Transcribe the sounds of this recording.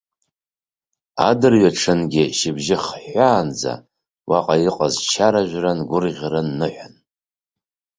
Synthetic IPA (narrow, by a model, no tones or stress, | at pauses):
a̰dɨrɥaʈ͡ʂʰɨnɡʲɪʃɪbʒɪχħaːnd͡za̰ | wʔaqʼajiqʼazt͡ʃʰaɾaʒʷᶣranɡʷʊrʁʲrɨnːɨħʷᶣan